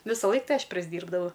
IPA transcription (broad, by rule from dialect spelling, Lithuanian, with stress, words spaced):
ʋʲɪsɐˈlˠɐɪk ˈtɐɪ ˈɐʃ pʲrʲɪzʲˈdʲiːrbdɐʋɐʊ